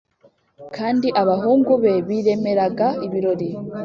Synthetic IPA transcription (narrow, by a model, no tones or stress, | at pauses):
kʰaːndiʔaβaɦuːŋɡuβe̞βiɾe̞me̞ɾaɡaiβiɾo̞ɾi